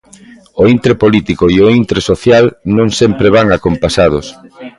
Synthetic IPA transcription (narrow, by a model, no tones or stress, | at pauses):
oint̪ɾepolit̪ikoioint̪ɾesoθjalnõŋsempɾeβaŋakompasað̞ʊs